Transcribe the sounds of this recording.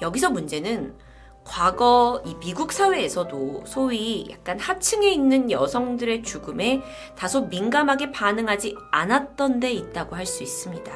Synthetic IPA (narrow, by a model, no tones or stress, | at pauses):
jʌɡisʰʌmund͡ʑe̞nɯn | kwaɡʌimiɡuk̚s͈ʰawe̞ːsʰʌdosʰoija̰k̚k͈anhat͡ɕʰɯŋe̞inːɯnjʌsʰʌŋdɯɾe̞t͡ɕuɡɯme̞ | tasʰominɡamɦaɡe̞panɯŋɦad͡ʑianat̚t͈ʌnde̞it̚t͈aɡoɦaɭs͈uis͈ɯmɲida